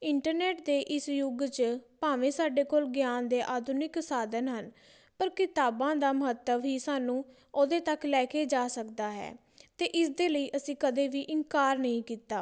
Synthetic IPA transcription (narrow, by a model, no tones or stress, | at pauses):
ɪɳʈəɾneːʈ̚d̪eːʔɪsjʊɡt͡ʃpaːʋẽːsaːɖeːkoːlɡjaːnd̪eːʔaːd̪ʱʊnɪksaːd̪ənɦən | pəɾkɪt̪aːbãːd̪aːməɦət̪ːəʋɦiːsaːnũː | oːd̪eːt̪əklɛːkʰeːd͡ʒaːsəkd̪aːɦɛ̰ː | t̪eːʔɪsd̪eːləiːʔəsĩːkəd̪eːʋiːʔɪŋkaːɾnəɦĩːkiːt̪aː